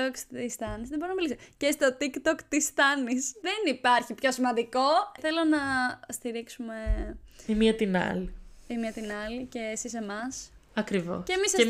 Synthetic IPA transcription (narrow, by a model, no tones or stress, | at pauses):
oksist̪ɐnizðeboɾinɐmilisocest̪o̞t̪ikt̪okt̪ist̪ɐnisðenipɐɾçipço̞simɐ̃nd̪iko̞θe̞lo̞nɐst̪iɾiksume̞imiɐt̪inɐ̰liimiɐt̪inɐlice̞ːsise̞mɐsɐkɾivo̞̰scemise